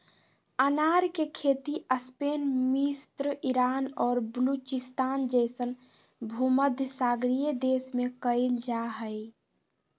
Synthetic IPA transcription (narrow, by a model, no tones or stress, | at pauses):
ənaɾkekʰet̪iəspenmist̪ɾəʔiɾanɔːɾbəlut͡ʃist̪aːnd͡ʒəjsən | bʱuməd̪ʱjəsaɡɾijed̪esmekəɪld͡ʒaɦəj